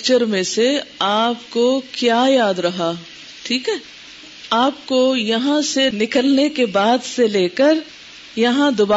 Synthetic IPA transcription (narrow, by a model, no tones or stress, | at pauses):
t͡ʃəɾmẽseaːpkokjaːjaːd̪ɾɐɦa | ʈʰiːkɦɛː | aːpkojɐɦãsenɪkəlnekebaːd̪seleːkəɾ | jɐɦãd̪ʊbaː